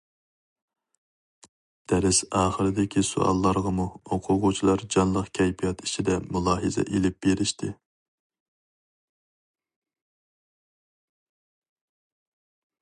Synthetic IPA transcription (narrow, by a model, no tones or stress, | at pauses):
d̪̥ɛɾɪsɑːχəɾɪd̪ɪkʲisṵʔɑ̰lˠːɑɾʁɑmuoqʰʊʁʊt͡ʃʰilˠɑɾd͡ʒɑnlˠəqkʲʰɛjpʰijɑt̪it͡ʃʰid̪ɛmulˠɑːɦɨzɛ̰ʔelɪp̚b̥eɾɪʃt̪ʰɪ